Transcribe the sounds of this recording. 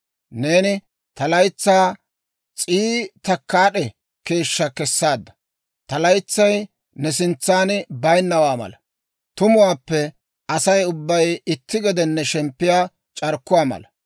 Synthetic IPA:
ne̞ːnɪ | t̪ɐlɐjt͡sːaː | t͡sʼiːt̪ɐkːaːɗɛ | ke̞ːʃːɐkɛsːaːd̪ːɐ̥ | t̪ɐlɐjt͡sːɐj | nɛsɪnt͡sːaːnbɐjnːɐwaːmɐ̰lɐ | t̪ʊmʊwaːpːɛ | ɐsɐjʊbːɐjɪt̪ːɪɡɛd̪ɛnːɛʃɛmpːɪjaː | t͡ʃʼɐɾkːʊwaːmɐ̰lɐ

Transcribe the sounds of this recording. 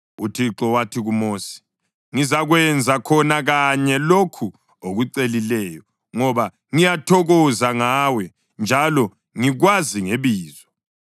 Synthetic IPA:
utʰiǁɔwatʰiɣumoːsi̥ | ŋizaɣwɛnd͡zʱakʰɔnaɣaɲɛlokʰu | oɣuǀelilɛːjɔ | ŋɔβa | ŋijatʰɔɣɔzaŋaːwɛ | nd͡ʒʱalɔ | ŋiɣwaziŋeβiːzɔ

